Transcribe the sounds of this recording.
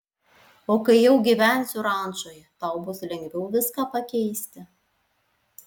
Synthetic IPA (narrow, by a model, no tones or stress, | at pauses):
oːkɐɪjɛʊɡʲiʋʲæˑnʲsʲʊɾɑˑnt͡ʃoːjɛt̪ɑˑʊbʊslʲɛŋʲɡʲʋʲɛʊʋʲɪskɑːpɐkʲɛɪsʲt̪ʲɪ